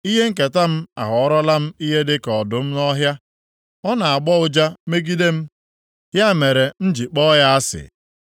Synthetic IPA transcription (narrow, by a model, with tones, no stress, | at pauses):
i˦ɦe˦ŋ̩˦ke˨ta˦m̩˦a̰˨ɦɔ˨ɔ˦ɾɔ˦la˦m̩˦i˦ɦe˦dɪ˦kɔ˨dʊ˨m̩˦nɔ˦ɦja˦ | ɔ˦na˨a˨ɡ͡bɔ˦ʊ˦d͡ʒa˦me˦ɡi˦de˦m̩˦ | ɦja˦˨me˨ɾe˨n̩˦d͡ʒi˨k͡pɔ˦ja˦a˦sɪ̰˨